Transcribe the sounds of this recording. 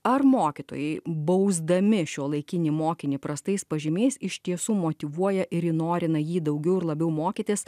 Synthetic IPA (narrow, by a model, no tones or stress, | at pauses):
ɐrmoːkʲɪt̪o̰ːjɛɪbɐʊzd̪ɐmʲɪʃʲuɔlˠɐɪkʲɪnʲiːmoːkʲɪnʲiːpɾɐst̪ɐɪspɐʒʲɪmʲeɪsɪʃʲt̪ʲiɛsuːmoːt̪ʲɪʋuɔjɛʔɪɾjɪnoːɾʲɪnɐjiːd̪ɐʊɡʲɛʊɪɾlˠɐbʲɛʊmoːkʲit̪ʲɪs